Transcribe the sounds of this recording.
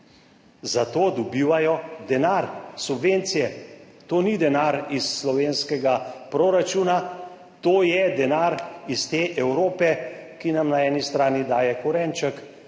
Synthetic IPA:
zat̪oːd̪ɔbiːʋajɔd̪ɛnaːɾsubʋent̪sijɛ | t̪oːnid̪ɛnaɾisːlɔʋeːnskɛɡapɾoːɾat͡ʃuːna | t̪oːjɛd̪ɛnaːɾist̪eːʔɛwɾoːpɛkinamnaɛːnist̪ɾaːnid̪aːjɛkuɾɛnt͡ʃək

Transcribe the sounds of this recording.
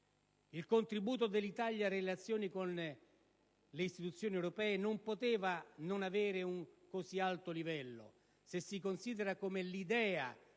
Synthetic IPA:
ilkont̪ɾibuːt̪od̪elːit̪aljarelat̪sːjoːnikon | leist̪it̪ut̪sːjoːniewɾopɛːenompot̪ɛːvanonaveːɾeuŋkosialt̪olivɛlːo̰ | sesːikonsiːd̪eɾakomelid̪ɛːa̰

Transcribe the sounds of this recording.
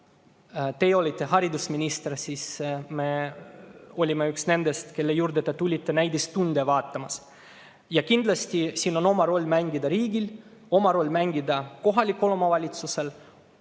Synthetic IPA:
t̪e̞jo̞lʲit̪ˑːe̞hɑɾid̪usminʲist̪ersiːsme | o̞lʲimeyksne̞nd̪est̪ke̞lːejuːɾd̪et̪et̪ulʲit̪ːe̞næjd̪ist̪ːund̪evɑːt̪ːɑmɑs | jɑkind̪lɑsʲt̪ʲisiːno̞no̞mɑɾo̞lʲːmæŋɡid̪ɑɾiːɡil | o̞mɑɾo̞lʲːmæŋɡid̪ɑko̞ɦɑlʲikːulomɑvɑlʲit̪suse̞l

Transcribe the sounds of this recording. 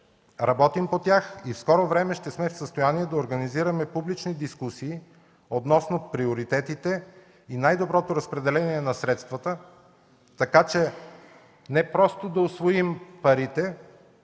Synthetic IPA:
ɾɐbɔt̪impot̪ʲjaxifskɔɾovɾɛmɛʃt̪ɛsmɛfsəst̪ojaniɛd̪ɐoɾɡəniziɾəmɛpublit͡ʃnid̪iskusiː | od̪nɔsnopɾioɾit̪ɛt̪it̪ɛ | inajd̪obɾɔt̪oɾɐspɾɛd̪ɛlɛniɛnɐsɾɛt̪st̪vət̪ə | t̪ɐkat͡ʃɛ | nɛpɾɔst̪od̪ɐosvoimpɐɾit̪ɛ

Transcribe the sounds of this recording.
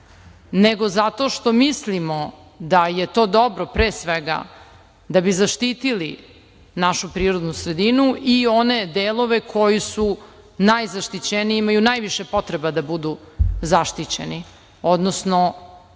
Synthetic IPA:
neɡo̞zat̪o̞ʃt̪o̞mislimo | d̪ajet̪o̞ːd̪o̞bɾopɾeːsʋeɡa̰ | d̪abizaʃt̪iːt̪ili | naʃupɾiːɾod̪nusɾed̪inuʔio̞ne̞d̪elˠo̞ʋe̞kʰo̞jisu | najzaʃt̪it͡ɕeniimajunajʋiʃepo̞t̪ɾebad̪abud̪uzaʃt̪it͡ɕḛni | od̪nosno

